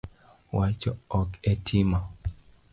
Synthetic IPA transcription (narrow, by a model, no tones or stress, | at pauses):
wat͡ʃɔɔketʰima